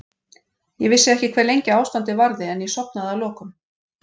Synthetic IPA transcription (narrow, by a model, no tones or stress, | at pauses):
jɛɣvɪsɪɛhcɪkʰvɛːɾlejɲcɪaːwst̪ant̪ɪvaɾðɪɛnjɛsɔpnaðawlɔːkʏm